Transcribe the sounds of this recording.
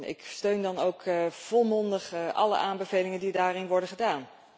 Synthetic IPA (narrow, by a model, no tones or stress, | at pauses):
ɪ̰kstøɥndɑnowkv̥ɔlˠmɔndəχʔɑ̰lə̰ʔaːmbəvejlɪŋəndidaːrɪnʋɔɹdəχədaːn